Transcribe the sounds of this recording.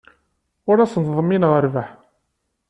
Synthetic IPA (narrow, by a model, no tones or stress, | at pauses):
ʊɾæsəntðˤəmːinʁəɾvaħ